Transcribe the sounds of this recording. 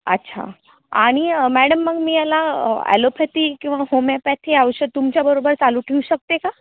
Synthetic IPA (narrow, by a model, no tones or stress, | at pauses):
ə̰tːɕʰa̰ | a̰ɽ̃imæɽəmːəɡmiːjalaæ̰lopʰɛt̪ikĩw̃ʋaɦomapɛt̪ʰeaʋəɕət̪umt͡ɕjabəɾobəɾt͡saluːʈʰeuɕək̚t̪eka